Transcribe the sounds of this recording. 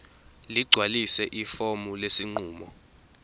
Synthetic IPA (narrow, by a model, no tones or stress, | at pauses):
liɡ͡ǀʱwalisɛʔifomulesiŋ͡ǀuːmɔ